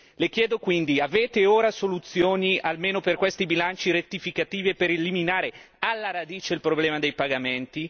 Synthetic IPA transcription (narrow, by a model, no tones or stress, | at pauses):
lek̟jɛːd̪okwind̪iaveːt̪eoːɾasolut̪sːjoːnialmeːnoperkwest̪ibilant͡ʃiɾet̪ːifikat̪iːvepeɾeliminaːɾe | alːaɾad̪iːt͡ʃeilpɾoblɛːmad̪ejpaɡament̪i